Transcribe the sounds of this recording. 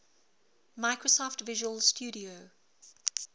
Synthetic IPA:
maɪkɹosɔftvɪʒəwəlstuːɾio

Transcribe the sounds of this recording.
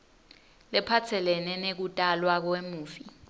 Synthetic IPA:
lɛpʰat͡sʰɛlɛnɛnek̬utʼalwak̬wemuːfi

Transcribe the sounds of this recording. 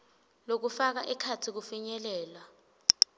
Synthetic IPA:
lok̬ufak̬aʔɛkʰatʰik̬ufiɲɛlɛːlwa

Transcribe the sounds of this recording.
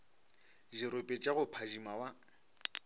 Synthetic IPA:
ʒɪɾʊpʼet͡ʃʼaɣʊpʰaʒimawa

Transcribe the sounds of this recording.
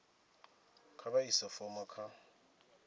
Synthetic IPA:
kʰabaisafɔmakʰa

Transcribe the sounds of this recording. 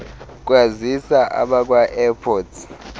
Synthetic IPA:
k̬ʼwazisaʔa̰ɓak̬ʼwaʔɛpʰɔːtʰ

